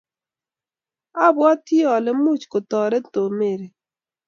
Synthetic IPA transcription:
a˦bɔ˦ti˦ɔ˨lɪ˦mu˦t͡ʃko˨tɔ˨ɾe˦to˨me˨ɾe˨

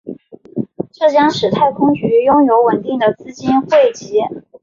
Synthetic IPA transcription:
ʈ͡ʂɤ˥˩t͡ɕjɑ˥ŋʂɻ̩˨˩t̪ʰa˥˩ɪkʰʊ˥ŋt͡ɕy˧˥jʊ˥ŋjo˧˥ʊwə˨˩nt̪i˥˩ŋd̪ə˩t͡sɹ̩˥t͡ɕi˥nxwe˥˩ɪt͡ɕi˧˥

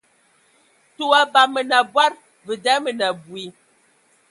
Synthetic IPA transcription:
tu˨a˨ba˨mə˨na˨bwa˦ɾ | və˨dɛ˨˦mə˨na˨bwi˨

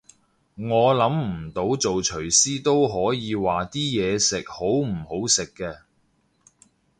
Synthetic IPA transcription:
ŋɔː˨˧lɐ˨˥mm̩˨˩t̪o˨˥wt͡so˨wt͡ʃʰɵ˨˩ɥsiː˥t̪o˥wɦɔː˨˥jiː˨˧waː˨t̪iː˥jɛː˨˧sɪ˨k̚ho˨˥wm̩˨˩ho˨˥wsɪ˨kːɛː˧

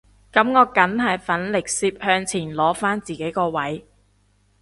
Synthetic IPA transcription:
kɐ˨˦˥mŋɔː˨˧kɐ˨˥nɦɐ˨jfɐ˨˥nlɪ˨˩k̚siː˧p̚hœː˧ŋt͡sʰiː˨˩nlɔː˨˥faː˥nt͡siː˨˩ke˨˥jkɔː˧wɐ˨˥j

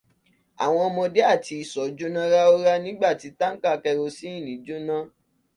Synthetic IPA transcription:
a̰˨w̃ɔ̃˧mɔ̃˧de˦a˦˨ti˧i˨sɔ˨˦d͡ʒu˦nã˦ɾa˦o˦ɾa˦nĩ˦ɡ͡ba˦˨ti˨˧ta˦ŋ̩˦ka˦˨kɛ˧ɾo˧si˦i˦˨nĩ˨˦d͡ʒu˦nã˦

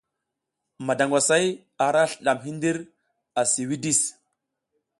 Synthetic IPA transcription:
ma˨da˨ŋɡʷwa˨sa˦j | a˨ɾa˦ɬə˨ɗa˨mɦi˦ndi˦ɾ | a˨si˨wi˦di˦˨s

